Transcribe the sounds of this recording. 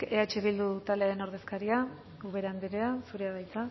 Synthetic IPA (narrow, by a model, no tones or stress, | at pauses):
eat͡ʃeβild̪uðt̪aleaeno̞ɾðe̞skaɾia | uβeɾand̪iɾeasuɾeaðajt͡s̪a